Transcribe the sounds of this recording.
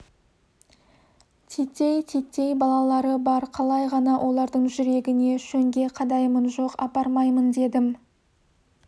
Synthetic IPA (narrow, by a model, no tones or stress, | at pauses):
t̪ʰet̪ʲːe̞jt̪ʰet̪ːe̞jbɑlˠɑlˠɑɾəbɑɾqʰɑlˠɑjʁɑnɑwʔo̞lˠɑɾd̪əɴʒʏɾe̞ɡʲɪne̞ʃɵŋɡʲe̞qʰɑd̪ɑjmənʒo̞qɑ̰pɑɾmɑjmənd̪e̞d̪ɪm